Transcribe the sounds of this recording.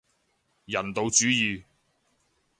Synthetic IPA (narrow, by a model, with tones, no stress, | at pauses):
jɐ˨˩nt̪o˨wt͡ʃyː˨˥jiː˨˧